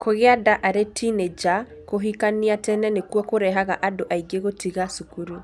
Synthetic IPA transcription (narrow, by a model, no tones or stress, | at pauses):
koɣeadaʔaɾetʰined͡ʒa | koɦikaniatɛnɛnekwɔkoɾɛɦaɣa̰ʔadoʔaiɡeɣotiɣasukuɾu